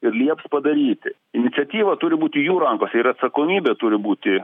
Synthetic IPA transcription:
ɪrlʲiɛpspɐd̪ɐɾʲiːt̪ʲɪ | ɪnʲɪtsʲɛt̪ʲiːʋɐt̪ʊɾʲɪbuːt̪ʲɪjuːɾɐŋkoːsʲɛɪɾɐt̪sɐkoːmʲiːbʲɛt̪ʊɾʲɪbuːt̪ʲɪ

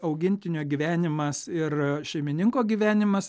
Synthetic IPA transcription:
ɐʊɡʲɪnʲt̪ʲɪnʲoːɡʲiːʋʲæːnʲɪmɐsɪrʃʲɛɪmʲɪnʲɪŋkoːɡʲiːʋʲæːnʲɪmɐs

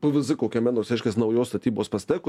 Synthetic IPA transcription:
pʊʋʲɪzɪkoːkʲɛmʲɛnoːsɾʲɛɪʃʲkʲeːsnɐʊjoːst̪ɐt̪ʲiːboːspɐsʲt̪ʲɛːkʊ

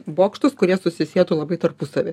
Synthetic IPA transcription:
boːkʃt̪ʊskʊɾʲiɛsʊsʲɪsʲeɛt̪uːlˠɐbɐɪt̪ɐrpʊsɐʋʲɪ

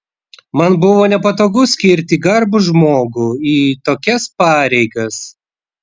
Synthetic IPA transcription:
mɐnbʊʋoːnʲɛpɐt̪oːɡʊsʲkʲɪɾʲt̪ʲiːɡɐɾbʊʒmoːɡʊiːt̪oːkʲɛspɑːɾʲɛɪɡɐs

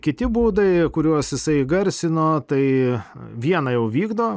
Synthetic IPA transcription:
kʲɪt̪ʲɪbuːd̪ɐɪkʊɾʲuɔsjɪsɐɪɡɐɾʲsʲɪnoːt̪ɐɪʋʲiɛnɐjɛʊʋʲiːɡd̪oː

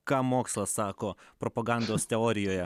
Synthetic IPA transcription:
kɑːmoːkslˠɐsɑːkoːpɾɔpɐɡɑnd̪oːst̪ʲɛɔːɾʲɪjoːjɛ

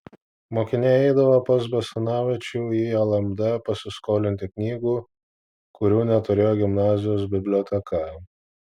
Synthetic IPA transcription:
moːkʲɪnʲeːɛɪd̪ɐʋopɐsbɐsɐnɑːʋʲɛt͡ʃʲuːiːɐlˠɐmd̪ɐpɐsʲɪskoːlʲɪnʲt̪ʲɪknʲiːɡuː | kʊɾʲuːnʲɛt̪ʊɾʲeːjoːɡʲɪmnɑːzʲɪjoːs̬bʲɪbʲlʲoːt̪ʲɛkʰɐ

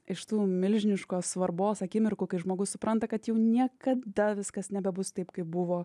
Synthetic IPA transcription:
ɪʃt̪uːmʲɪlʲʒʲɪnʲɪʃkoːssʋɐɾboːsɐkʲɪmʲɪɾkʊkɐɪʒmoːɡʊssʊpɾʔɐnt̪ɐkɐt̪jɛʊnʲiɛkɐd̪ɐʋʲɪskɐsnʲɛbʲɛbʊst̪ɐɪpkɐɪp̚bʊʋoː

